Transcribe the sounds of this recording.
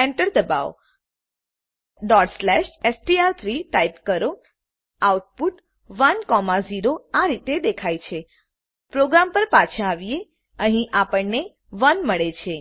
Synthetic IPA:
eɳʈəɾd̪əba̰ʋ | ɖɔʈslɛʃesʈiaɾt̪ʰɾiʈaipkəɾo | awʈ̚puʈ | ʋənkɔmaziɾoaɾit̪ed̪ekʰajt͡ʃʰe | pɾoɡɾampəɾpat͡ʃʰə̃aʋije | əɦĩʔapəɳne | ʋənməɭet͡ʃʰe

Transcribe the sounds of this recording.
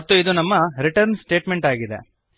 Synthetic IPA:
ɐt̪ːuid̪unɐmːɐɾiʈɐɾnsʈe̞ːʈme̞ɳʈaːɡid̪ḛ

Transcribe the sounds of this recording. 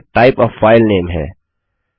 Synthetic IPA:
ʈaɪpɔːʋfaːɪlneːmɦɛ̰ː

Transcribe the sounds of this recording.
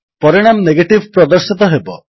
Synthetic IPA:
pɔɾiɽ̃amneɡeʈibʱpɾɔd̪ɔɾsit̪ɔɦebɔ

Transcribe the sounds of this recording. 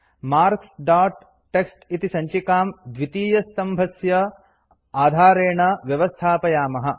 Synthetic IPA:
maːɾksɖaːʈː | eksʈit̪isɐɲt͡ʃikaːmd̪ʋit̪iːjɐst̪ɐmbʱɐsjɐ | aːd̪ʱaːɾeːɳɐʋjɐʋɐst̪ʰaːpɐjaːmɐɦɐ̆

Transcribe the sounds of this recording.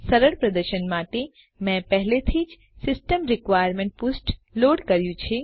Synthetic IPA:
sɐɾəɽpɾɐd̪əɾʃənmaːʈ̪e | mɛ̃pɛɦlet̪ʰiːd͡ʒ | sɪsʈəmɾɪkʋaːjɾmẽɳʈ̚pʊsʈloːɽkɐɾjũt͡ʃʰi

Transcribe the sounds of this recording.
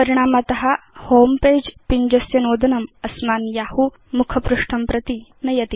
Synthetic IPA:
pəɾiɽ̃aːmat̪ɐɦahompeːd͡ʑpiɲd͡ʑɐsjɐnoːd̪ʱɐnɐmɐsmaːnjahu | mukʰɐpɾuʂʈʰɐmpɾɐt̪inɐjɐt̪i

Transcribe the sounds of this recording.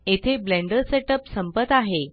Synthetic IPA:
et̪ʰeblẽɳɖəɾseʈəpsəmpət̪aɦe

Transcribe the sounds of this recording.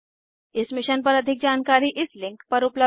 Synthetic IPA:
ɪsmɪʃənpɐɾɐd̪ʱɪk̚d͡ʒaːnkaːɾiʔɪslɪ̃ŋkpɐɾʊplə

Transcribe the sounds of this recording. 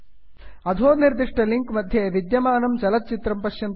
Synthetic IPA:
ɐd̪ʱoːniɾd̪iʂʈɐliŋkmɐd̪ʱjeʋid̪jɐmaːnɐmt͡ʃɐlɐt̪̚t͡ʃit̪ɾɐmpɐʃjɐnt̪

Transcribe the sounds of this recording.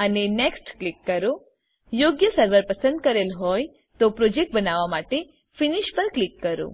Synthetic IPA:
əneneksʈklikːəɾo | joɡjəsəɾʋəɾpəsə̃nd̪̚kəɾelɦɔj | t̪opɾod͡ʒek̚ʈ̚bənaʋamaʈe | finiʃpəɾklikːəɾo̰

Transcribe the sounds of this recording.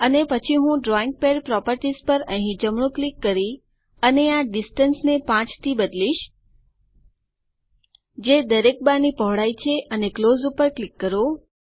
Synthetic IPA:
ənepət͡ʃʰiɦũɖɾɔiŋɡ̚peɖpɾɔpəɾʈizpəɾə̃ɦĩd͡ʒəmɳ̃ũklikːəɾi | əneaɖisʈənsnepãt͡ʃt̪ʰibəd̪liʃ | d͡ʒed̪əɾek̚banipəɦɽajt͡ʃʰeʔəneklozupəɾklikːəɾo

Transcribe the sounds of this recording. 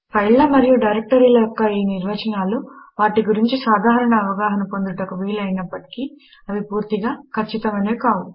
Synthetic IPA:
pʰɐjllɐmɐɾijuɖɐjɾek̚ʈɐɾiːlɐjɔkːɐiːniɾʋɐt͡ʃɐnaːluʋaːʈiɡuɾiɲt͡ʃisaːd̪ʱaːɾɐɳɐːʋɐɡaːɦɐnɐpo̞nd̪uʈɐkuʋiːlɐjinɐpːɐʈi̥ki | ɐʋipuːɾt̪iɡaːkʰɐt͡ʃːit̪ɐmɐneːkaːʋu

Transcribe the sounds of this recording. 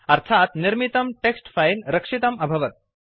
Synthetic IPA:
ɐɾt̪ʰaːt̪niɾmit̪ɐmʈeksʈfʰɐjlɾɐkʂit̪ɐmɐbʱɐʋɐt̪̚

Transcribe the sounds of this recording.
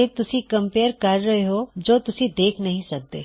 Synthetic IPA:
eːt̪ʊsikɐ̃mpeːəɾkɐɾːɐɦeɦod͡ʒoːt̪ʊsid̪eːkʰnɐɦĩsɐk̚d̪ḛː

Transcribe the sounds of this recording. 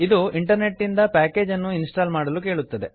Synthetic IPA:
id̪uiɳʈɐɾne̞ʈːind̪ɐpæːke̞ːd͡ʒɐnːuinsʈaːlmaːɽɐluk̬e̞ːɭut̪ːɐd̪e̞

